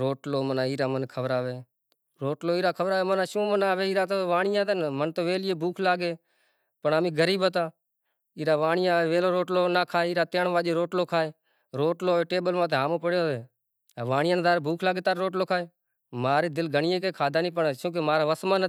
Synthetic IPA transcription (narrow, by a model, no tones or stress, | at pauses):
ɾoːʈloːmənãːiːɾaːmənkʰəʋɾaːʋeː | ɾoːʈloːiːɾaːkʰəʋɾaːʋeːmənãːʃũːmənaːʋeːiːɾaːt̪oːʋaːɳɪjãːt̪ənmənt̪oːʋeːlɪjeːbʱuːkʰlaːɡeː | pəɳaːmĩːɡəɾiːbət̪aː | iːɾaːʋaːɳɪjaːʋeːʋeːloːɾoːʈloːnaːkʰaːeːɪːɾaːt̪eːɳʋaːʄeːɾoːʈloːkʰaːeː | ɾoːʈloːʋeːʈeːbəlmaːt̪eːɦaːmõːpəɽjoːeː | ʋaːɳɪjãːnd̪aːɾbʱuːkʰlaːɡeːt̪aːɾɾoːʈloːkʰaːeː | maːɾeːd̪ɪlɡəɳɪjẽːkeːkʰaːd̪aːniːpəɳt͡ʃũːk̬emaːɾaːʋəsmaːn